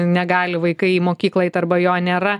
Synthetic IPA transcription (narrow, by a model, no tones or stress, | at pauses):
nʲɛɡɑːlʲɪʋɐɪkɐɪiːmoːkʲiːklˠɐjɪt̪ɐrbɐjoːnʲeːɾɐ